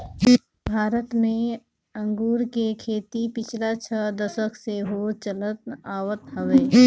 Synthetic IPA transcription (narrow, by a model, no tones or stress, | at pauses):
bʱaːɾət̪mẽ | ə̃ŋɡuːɾkekʰeːt̪ipɪt͡ʃʰlat͡ʃʰəd̪əsəkseɦot͡ʃələt̪aːwət̪ɦəʋeː